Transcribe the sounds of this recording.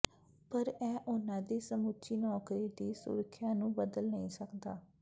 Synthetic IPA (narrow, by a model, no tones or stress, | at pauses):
pəɾɛ̃ːʔʊnãːd̪iːsəmut͡ʃiːnɔːkɾiːd̪iːsʊ̰ɾəkʰjaːnũːbəd̪əlnəĩːsəkd̪a̰ː